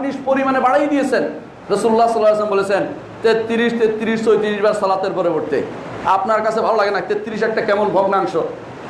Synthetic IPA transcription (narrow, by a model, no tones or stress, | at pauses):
niʃpoɾimanebaɽajd̪ijet͡ɕʰen | ɾosululːasɔlːajljs̬lombolet͡ɕʰen | t̪et̪ːiɾiʃt̪et̪ːiɾiʃsojt̪iɾiʃbaɾsɔlat̪eɾpoɾeboʈt̪ḛ | apnaɾkat͡ɕʰebʱalolaɡenat̪et̪ːiɾiʃɛk̚ʈakɛmonbʱoɡnaŋʃo